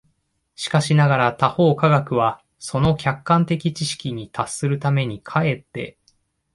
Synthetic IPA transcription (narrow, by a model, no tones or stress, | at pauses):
ɕi̥kaɕinaɡaɾat̪aho̞ːkaɡakɯ̟βa | so̞no̞kʲakːãnt̪e̞kʲit͡ɕiɕi̥kʲiɲ̟it̪asːɨɾɯ̟t̪ame̞ɲ̟ikʰae̞t̪ːe̞̰